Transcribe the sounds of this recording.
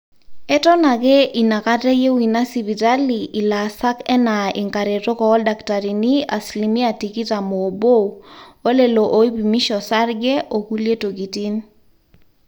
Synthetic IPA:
ɛ˦tɔ˦na˨ke˦ʔi˨na˨ka˦tɛ˦je˦wi˨na˦si˨bi˨ta˦li˨ʔi˨la˨sa˦kɛ˦na˨ʔɪ̰˨ŋka˨ɾe˨to˦kɔ˨ɔ˦lda˨kta˨ɾi˨ni˦a˨sli˨mi˦a˨ti˨ki˦ta˨moː˨bo˦uo˦le˨lo˨ʔo˨i˦pi˨mi˦ʃɔ˨sa˦ɾɡɛ˦ʔo˨ku˦lje˦to˨ɡi˨ti˦n

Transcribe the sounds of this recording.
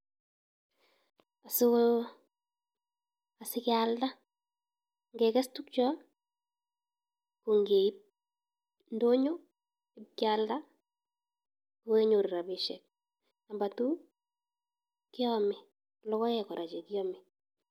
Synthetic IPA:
a˨sʊ | a˨sɪkɪalda˦ | ŋɡɛ˨kɛ˦stu˦k̚t͡ʃɔ˦ | ku˨ŋɡe˨i˦p̚ | ndo˦ɲo˦ | ɪ˦pkɪalda˦ | ku˦we˦ɲo˨ɾɾa˨bɪʃɛ˨k̚ | a˨mba˨tu˦ | kɪ˦ɔmɪ˨ | kɔ˨lɔ˦kɔ˦jɛ˨kɔ˨ɾʔa˨t͡ʃe˨kɪ˦ɔ˦mɪ˨

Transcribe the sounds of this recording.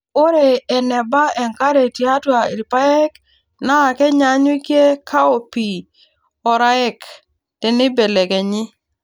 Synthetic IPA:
o˦ɾeː˨nɛ˨ba˦ɛ˨ŋka˦ɾe˨ti˨a˦twa˨i˨lpa˦ɛ˦k | naː˦˨kɛ˦ɲa˦ɲwi˦kje˦kʰa˦o˨pi˨ | ɔ˨ɾa˦ɛ˦k | d̥ɪ˨nɪ˦be˨le˨ɡɛ˨ɲɪ˦

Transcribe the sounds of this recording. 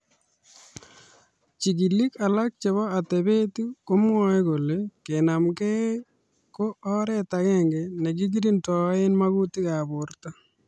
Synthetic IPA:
t͡ʃi˨ɡi˨li˦ka˨la˦k̚t͡ʃe˨βɔ˦a˨tɛ˨be˦ti˦ko˦m˦ɔ˦e˦ɡo˨le˦ke˨na˨mkɛ˦ | ko˦ɔ˦ɾɛ˦ta˨kɛ˦ŋɡe˨ne˨ɡi˦ɡi˦ɾi˦ntɔ˨˦ɪ˦nma˦ɡu˦ti˦ka˨bʊ˨ɾta˦

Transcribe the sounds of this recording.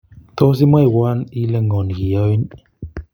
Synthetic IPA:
tɔ˦s̬i˦m˦a˦˨wa˦ni˦lə˦˨ŋɔ˨n˨ɣi˨ɔ˦i˦n

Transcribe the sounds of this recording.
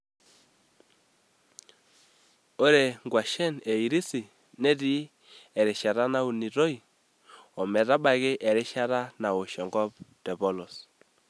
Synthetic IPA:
o˦ɾe˨ŋɡwa˨ʃɛ˦ne˨i˨ɾi˦si˨ | nɛ˦di˦ | ɛ˨ɾɪ˨ʃa˨ɾa˦na˦u˨ni˨ɾo˦i˨ | ɔ˨mɛ˨ɾa˦ɓa˨ɣɪ˦ʔɛ˨ɾɪ˦ʃa˦ɾa˦na˨wo˨ʃɔ˨ŋɡɔ˦p̚dɛ˨βɔ˦lɔ˨s

